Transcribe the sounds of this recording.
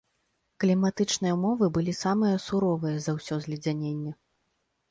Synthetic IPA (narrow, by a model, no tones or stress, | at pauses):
klʲimat̪ɨt͡ʂnɨjɐmɔvɨbɨlʲisamɨjɐsuɾɔvɨjɐzɐwsʲɔzʲlʲid͡zʲanʲenʲːɛ